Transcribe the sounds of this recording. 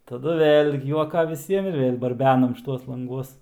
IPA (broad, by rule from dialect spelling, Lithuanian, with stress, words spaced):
tɐˈdʊ ˈʋʲeːlʲ juɔˈkɐ ʋʲɪˈsʲiɛm ɪr ʋʲeːlʲ bɐrʲˈbʲæːnɐm ʃʲˈɪtuɔs lˠɐŋˈɡuɔs